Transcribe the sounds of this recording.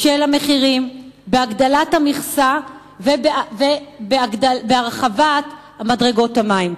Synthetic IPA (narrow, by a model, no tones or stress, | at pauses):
ʃelameχiʁimbeaɡdalathamiχsa | vebvebeaabeaʁχavat | hamadʁe̞ɡo̞thamaim